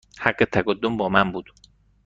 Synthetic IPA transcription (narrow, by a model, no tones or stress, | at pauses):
haɢːet̪ʰæɡod̪ːombɒːmæmbuːd̪̥